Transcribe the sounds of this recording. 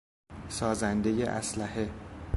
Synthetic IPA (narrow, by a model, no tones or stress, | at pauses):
sɒːzænd̪e̞jḛʔæ̰slæhe